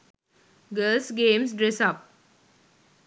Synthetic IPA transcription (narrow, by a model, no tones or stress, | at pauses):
ɡəːlsɡẽːmsɖɾesʌp̚